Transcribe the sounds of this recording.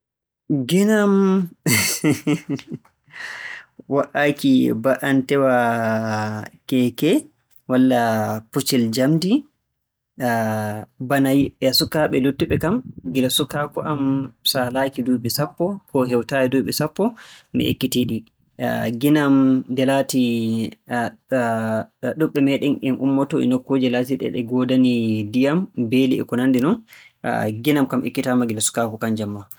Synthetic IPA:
ɡinam | waʔakibaʔantɛwa | kɛkɛ | walːaput͡ʃild͡ʒamdi | banajiɓɛasukːaɓɛlutːuɓɛkamɡilasukːakɔʔamsalaːkiduɓɛsapːɔkɔɦɛwtaɛduɓɛsapːɔmɛ̰ʔḛkːitiɗi | ɡinamdɛlati | ɗuɓːɛmɛɗɛnɛnʔṵmːɔtɔɛ̰nokːod͡ʒɛlatiɗɛ̰ɗɛɡɔdanidijambeliɛ̰kɔnandinɔn̰ | ɡinamkamʔḛkːitamaɡilasu̥kakɔkand͡ʒamːa

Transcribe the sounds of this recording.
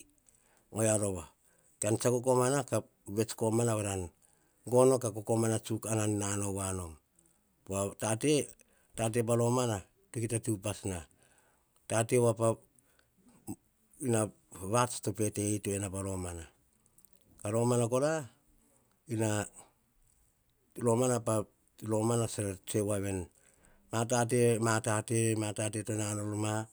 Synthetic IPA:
ŋojaɾo̞βa | kant͡ʃakoko̞manaka | βe̞t͡ʃko̞manaβaɾan | ɡo̞no̞kakoko̞manat͡ʃukanannano̞βano̞m | poatate̞ | tat̬e̞balo̞mana | tukitatupasna | tate̞wapa | ina | βasto̞pe̞te̞itoenapalo̞mana | kalo̞manako̞ɾa | ina | lo̞manapa | lo̞manaseɾat͡ʃewaβe̞n | mat̬at̬e̞matate̞matat̬e̞tonanoloma

